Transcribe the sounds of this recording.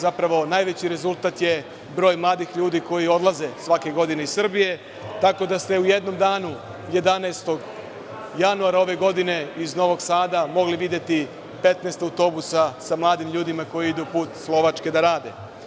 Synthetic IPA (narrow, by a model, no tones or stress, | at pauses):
zapɾaʋo̞najʋe̞t͡ɕiɾe̞zult̪at̪je̞ | bɾo̞ːjmlˠaːd̪ixʎuːd̪iko̞jio̞d̪laze̞sʋake̞ɡo̞d̪ineizssr̩bije̞ | t̪ako̞d̪ast̪e̞ujed̪no̞md̪aːnu | je̞d̪anaest̪o̞ɡ | januaɾao̞ʋe̞ɡo̞d̪ine̞izno̞ʋo̞ɡsaːd̪amo̞ɡliʋid̪je̞t̪i | pe̞t̪neːst̪awt̪o̞busasamlˠaːd̪imʎuːd̪imako̞jiid̪upuːt̪slˠo̞ʋat͡ʃke̞d̪aɾaːd̪e̞̰